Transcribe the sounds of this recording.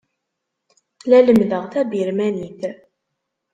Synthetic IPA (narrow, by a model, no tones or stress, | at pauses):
læləmðəʁθæbiɾmæniθ